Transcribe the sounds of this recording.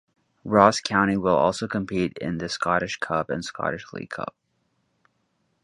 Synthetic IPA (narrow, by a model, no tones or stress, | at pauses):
ɹɔskʰãʊ̃ɾ̃iwəlˠɔ̰lˠsoʊkʰɨ̃mpʰiɾɪ̰̃nðɨskɑɾɨʃkʰʌpɨ̰̃nskɑ̰ɾɨʃlḭkʰʌ̰p̚